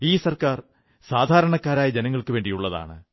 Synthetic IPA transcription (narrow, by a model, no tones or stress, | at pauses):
iːsɐrkaːr | saːd̪ʱaːɾɐɳɐkːaːɾaːjɐd͡ʑenɐŋːɐɭkɨʋe̞ːɳɖijuɭːɐða̰ːɳɨ̰